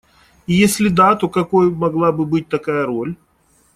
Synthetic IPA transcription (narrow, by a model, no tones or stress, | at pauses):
ijesʲlʲɪd̪at̪o̞kɐkojmɐɡlˠabɨbɨt̚ʲt̪ɐkajəɾo̞lʲ